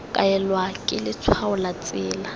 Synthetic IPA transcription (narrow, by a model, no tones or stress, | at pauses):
kʼaɛlwakʼɪlɪt͡sʰwaʊlat͡sʼɪːla